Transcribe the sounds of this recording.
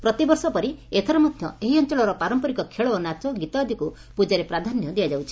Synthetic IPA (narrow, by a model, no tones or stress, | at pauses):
pɾɔt̪ibɔɾsɔpɔɾiet̪ʰɔɾɔmad̪ʱjɔeɦiɔnt͡ʃɔɭɔɾɔpaɾɔmpɔɾikɔkʰeɭɔːnat͡ʃɔɡit̪ɔd̪ʱiku | pud͡ʒaɾepɾad̪ʱanjɔd̪ijad͡ʒawt͡ʃʰi̥